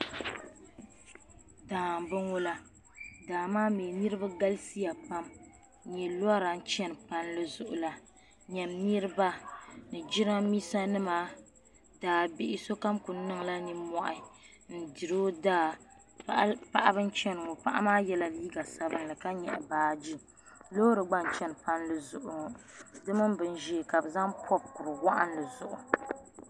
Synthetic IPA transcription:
daː˨m˨bɨ˦ŋo˦la˦ | daː˨maː˦meː˨nɨ˦ɾɨ˦ba˦ɡa˦lsi˦ja˨pa˦m˦ | ɲɛ˨lo˦a˦ɾa˨n̩˦t͡ʃɛ˦n˨pa˦nlɨ˦zʊ˨ʔʊ̰˨la˨ | ɲɛ˨mnɨ˦ɾɨ˦ba˦nɨ˨d͡ʒi˦ɾa˦miː˦sa˦nɨ˦maː˦ | daː˨bɪ˦ʔɪ˦so˦ka˦mku˨˦nɨ˦ŋla˦ni˦mɔ˨ʔɪ˨ | n̩˦˨di˨ɾo˦daː˦ | pa˦ʔa˦bɨ˦n˦t͡ʃɛ˦nɨ˨ŋɔ˨pa˦ʔa̰˦maː˦jɛ˦la˦liː˦ɡa˨sa˦bɨ˦n˦lɨ˨ka˦ɲɛ̰˨ʔɛ˨baː˨d͡ʒi˦ | lo˦ɾɨ˨ɡ͡ba˦n˨t͡ʃɛ˦n˨pa˦nlɨ˨zʊ˨ʔʊ˨ŋ˨dɨ˦mɨ˦mbɨ˦n˦ʒɛː˦˨ka˨bɨ˨za˦ŋpʰɔ˦b̚kʊ˨ɾɨ˨wa˦ʔa˦n˦lɨ˨zʊ˨ʔʊ˨

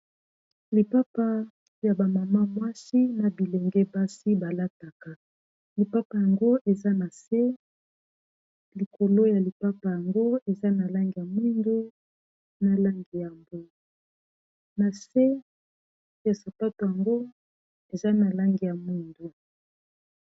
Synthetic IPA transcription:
li˨pa˦pa˦ | ja˨ba˨ma˨ma˦mwa˦si˦na˨bi˨le˨ŋɡɛ˦ba˦si˦ba˨la˦ta˨ka˨ | li˨pa˦pa˨ja˨ŋɡo˦ʔe˨za˦na˨se˦ | li˨ko˨lo˦ja˨li˨pa˦pa˨ja˨ŋɡo˦e˨za˦na˨la˦ŋɡi˨ja˨mwi˦ndu˦ | na˨la˦ŋɡi˨ja˨mbo˦ | na˨se˦ | ja˨sa˨pa˦to˨ja˨ŋɡo˦ | e˨za˦na˨la˦ŋɡi˨ja˨mwi˦ndu˦

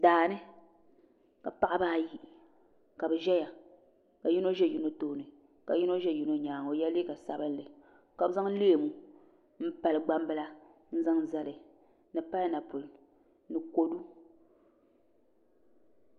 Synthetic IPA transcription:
daː˨nɨ˦ | ka˨pa˦ʔa˦baː˦ji˦˨ | ka˨bɛ˨ʒɛ˦ja˨ | ka˨ji˦no˦ʒɛ˦ju˦no˦to˦˨nɨ˨ | ka˨ji˦no˦ʒɛ˦ji˦no˦ɲaː˨ŋ˨o˨jɛ˦le˦ka˨sa˦bɨ˦n˦lɨ˨ | ka˨bza˦ŋ˦le˦e˨mu˦ | m̩˦pa˨lɨ˨ɡ͡ba˦m˦bɨ˦la˦ | n̩˦za˦ŋ˦˨za˦lɨ˨ | nɨ˨pa˦na˨pu˨l | nɨ˨ko˦du˦

